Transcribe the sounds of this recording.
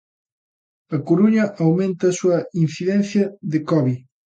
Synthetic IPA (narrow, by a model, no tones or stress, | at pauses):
ɐkoɾuɲɐʔawmẽnt̪ɐːsuɐin̟θiðɛ̃nθjɐðɪkɔβi